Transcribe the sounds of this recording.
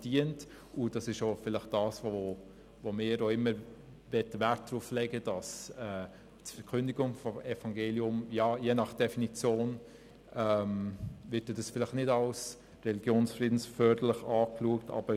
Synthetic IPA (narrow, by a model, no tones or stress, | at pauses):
d̥iənt | ʔʊd̥ɑsɪʃofɪlɪχt̚d̥ɑːsvoo | vomɪːəɾoɪmːəɾ | vɛtːəvæt̚d̥ɾuflɛɡəd̥ɑsɛː | tfɛɾkʰʏndiɡʊŋfɔmɛfɑŋɡeːliʊmjɑːjeːnɑχd̥ɛfinit͡sjoːn | ʔɛmvɪt̚ːɛdɑsfɪlɪχnɪdɑls | rɛliɡjoːnsfriːdn̩sfœːd̥ələχɑːkluəktʰɑ̰b̥ə